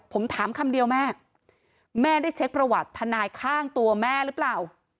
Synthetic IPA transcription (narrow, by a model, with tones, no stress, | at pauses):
pʰo˩˦mt̪ʰaː˩˦mkʰa˧mdi˧əwmɛː˥˩ | mɛː˥˩da˥˩jt͡ɕʰe˦˥k̚pɾa˧wa˨˩t̪ʰːa˧naː˧jkʰaː˥˩ŋt̪u˧ɐmɛː˥˩ɾɯː˦˥plaː˨˩w